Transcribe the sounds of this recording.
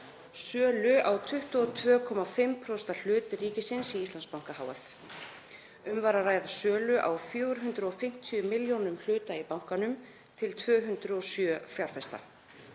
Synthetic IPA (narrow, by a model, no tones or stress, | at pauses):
sœːlʏawt̪ʰʏht̪uɔt̪ʰvœːkʰɔmafɪmpʰɾɔst̪al̥ʏːt̪ɾiːcɪsɪnsiist̪anspawŋ̥kahaːwɛ̰θ | ʏmvaɾaraːjðasœːlʏʔa̰wfjœːwɾɦʏnt̪ɾʏɔfɪm̥t̪ʰiʏmɪljownʏml̥ʏːt̪aipawŋ̥kanʏm | t̪ʰɪlt̪ʰvœːɦʏnt̪ɾʏɔsjœfjaɾ̥fɛst̪a̰